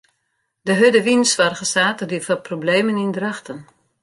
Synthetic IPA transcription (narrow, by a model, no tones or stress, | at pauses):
dəɦødəʋinsʋarɣəsaːtədifaprobleːmənindraxtən